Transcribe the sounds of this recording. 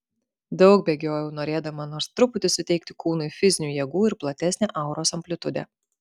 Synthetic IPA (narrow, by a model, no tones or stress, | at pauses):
d̪ɒʊk̚bʲeːɡʲoːjuːnoːɾʲeːd̪ɐmɐnoːɾst̪ɾʊpʊt̪ʲɪsʊt̪ʲɛɪk̚t̪ʲɪkuːnʊɪfʲɪzʲɪnʲuːjɛɡuːɪɾplˠɐt̪ʲɛsʲnʲeːʔɐˑʊɾoːsɐmʲpʲlʲʊt̪ʊd̪ʲɛ̰ː